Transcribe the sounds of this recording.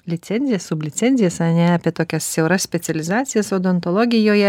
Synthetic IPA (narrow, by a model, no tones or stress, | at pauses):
lʲɪt̪sʲɛnʲzʲɪjɛssʊbʲlʲɪt̪sʲɛnʲzʲɪjɛsɐnʲɛɑpʲiɛt̪oːkʲɛssʲɛʊɾɐssʲpʲɛt̪sʲɛlʲɪzɑːt̪sʲɪjɛsoːd̪oːnt̪ɔlˠɔːɡʲɪjoːjɛ